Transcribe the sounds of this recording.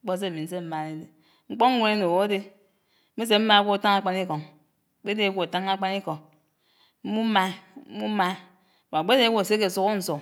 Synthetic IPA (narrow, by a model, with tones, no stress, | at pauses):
k͡po˦s̬e˦˨mi˨n̩˦se˦m̩˦ma˦˨ne˦de˨ | ŋ͡m̩˦k͡po˦ŋ̩˦ŋʷu˦ne˦no˨wo˨˦de˦ | mi˦s̬e˨m̩˦ma˦kʷo˦a˨ta˦ŋa˦k͡pa˦ni˦ko˨ŋ˨ | k͡pe˦de˨˦wu˦a˨ta˦ŋa˦k͡pa˦ni˦ko˨ŋ | m̩˦mu˦m̩˦ma˦m̩˦mu˦m˦ma˦˨ | wa˨ɡ͡be˦de˨˦wʷu˦a˨se˦k̬e˨su˦ko˦n̩˨˦so˨